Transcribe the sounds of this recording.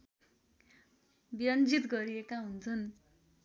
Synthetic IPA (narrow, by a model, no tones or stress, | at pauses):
biɾʌnd͡zit̪ɡʌɾiekaɦunt͡sʰʌn